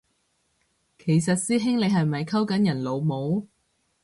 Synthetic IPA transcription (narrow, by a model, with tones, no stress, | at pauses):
kʰe˨˩js̬ɐ˨t̚siː˥ɦɪ˥ŋle˨˧jhɐ˨jmɐ˨jkʰɐ˥wkɐ˨˥njɐ˨˩nlo˨˧wmo˨˧w